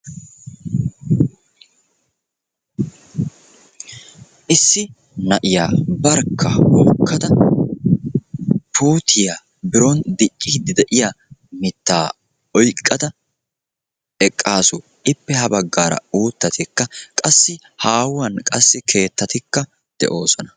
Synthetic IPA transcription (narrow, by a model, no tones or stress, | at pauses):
ʔɪsːɪ | nɐʔɪjaːbɐɾkʰːɐhoːkːɐd̪ɐ | pʰuːt̪ʰɪja | bɪɾɔnd̪ɪt͡ʃʼːɪd̪ɪd̪ɛʔɪja | mɪt̪ːaː | ɔjkʼːɐd̪ɐ | ɛkʼːaːsʊ | ɪpːɛhɐbɐɡːaːɾɐ̰uːt̪ːɐt̪ɪkːɐkʼɐsːɪ | haːwʊwɐnkʼɐsːɪkʰe̞ːt̪ːɐt̪ɪkːɐ | d̪̥ɛ̰ʔo̞ːsɔnɐ